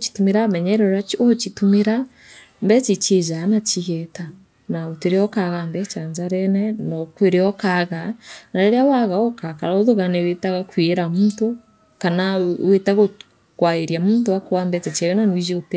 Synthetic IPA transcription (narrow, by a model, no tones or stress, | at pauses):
ot͡ʃi̥tumeɾamɛɲɛɾɛɾat͡ʃot͡ʃitumeɾa | mbɛt͡ʃit͡ʃezanat͡ʃiɣɛta | naoteɾeɔkaɣambɛt͡ʃaɲd͡ʒaɾɛnɛnɔkweɾeɔkaɣanaɾeɾeawaɣaɔkakaɾaoðoɣanɛwetaɣakwieɾamuːnto | kanawetaɣo | kwaeɾiamuːntowakowambɛt͡ʃɛt͡ʃɛɣɛnanoiʒiote